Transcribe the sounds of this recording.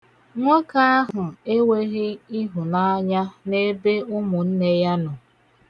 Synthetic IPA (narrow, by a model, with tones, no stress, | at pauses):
ŋʷɔ˦ka˦a˦ɦʊ˨e˦we˦ɣɪ˦i˦ɦʊ˨na˦ɲa˦ne˦be˦ʊ˦mʊ˨n̩˦ne˦ja˦nʊ˨